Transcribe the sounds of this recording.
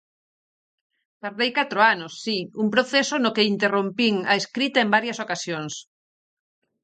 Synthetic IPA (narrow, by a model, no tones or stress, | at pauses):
paɾðejkat̪ɾoanosːiumpɾoθesʊnokeint̪erompiŋɐeskɾit̪ɐembaɾjɐsokasjoŋs